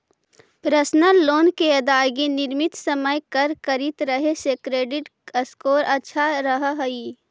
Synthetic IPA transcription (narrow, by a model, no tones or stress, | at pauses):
pɾəsnəlːoːnkeɐd̪aːjɡinɪɾmɪt̪səməjkəɾkəɾɪt̪ɾəɦesekɾeːɖɪʈəskoːɾətːʃʰaɾəɦɦɐi